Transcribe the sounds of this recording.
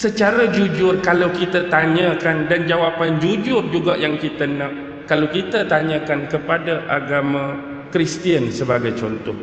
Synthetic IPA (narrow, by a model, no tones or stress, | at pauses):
sət͡ʃaɾad͡ʒud͡ʒʊrkalawkit̪at̪aɲə̃kandand͡ʒawapand͡ʒud͡ʒʊrd͡ʒuɡaʔjaŋkit̪ənãʔ | kalawkit̪at̪aɲə̃kankəpadaʔaɡamã | kɾist̪iənsəbaɡajt͡ʃɔnt̪ɔh